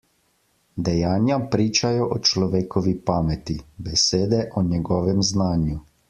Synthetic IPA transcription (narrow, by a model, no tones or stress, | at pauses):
d̪ɛjaːnjapɾiːt͡ʃajɔʔɔt͡ʃlɔʋeːkɔʋipaːmɛt̪ibɛseːd̪ɛʔɔɲɛɡɔːʋɛmznaːnju